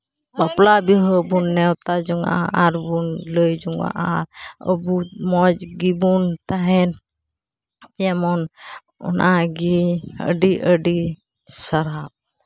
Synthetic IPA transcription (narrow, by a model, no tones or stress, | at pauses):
baplabiɦɔbunːɛwt̪ad͡ʒɔŋɡa̰ʔaaɾbunləjd͡ʒuŋɡa̰ʔaə̰bumɔd͡ʒɡibunt̪aɦɛn | ɛmɔn | ṵnʔaɡiə̰ɖiʔəɖi | saɾab̚